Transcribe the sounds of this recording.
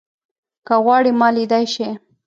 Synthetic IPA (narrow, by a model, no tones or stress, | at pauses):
kaɣwɑɽimɑlid̪ajʃe